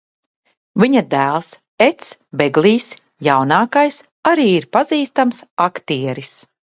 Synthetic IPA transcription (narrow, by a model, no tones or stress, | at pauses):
viɲad̪æːlˠs | ɛt̪sbɛɡliːs | jawnaːkajs | aɾiːiɾpaziːst̪amsakt̪iɛɾis